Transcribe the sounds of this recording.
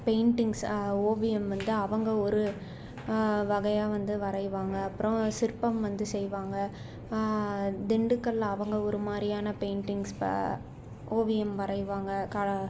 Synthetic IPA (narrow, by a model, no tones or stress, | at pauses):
peɪɳʈɪŋɡsoːʋɪjɛmʋɐnd̪ɯɐʋɐŋɡɐɔɾɯ | ʋɐɣɐjaːʋɐnd̪ɯʋɐɾɐɪʋaːŋɡɐːpːɯɾɔ̃sɪɾpːɐmʋɐnd̪ɯsɛjʋaːŋɡɐ | d̪ɪɳɖɯkːɐlːɐʋɐŋɡɐɔɾɯmaːd̪ɾɪjaːnɐpeɪɳʈɪŋɡs | oːʋɪjɛmʋɐɾɐɪʋaːŋɡɐkɐɐ